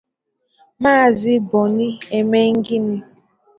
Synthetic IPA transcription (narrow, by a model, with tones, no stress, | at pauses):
maː˦˨zɪ˦bɔ˨ni˦e˨me˦ŋ̩˦ɡi˦ni˦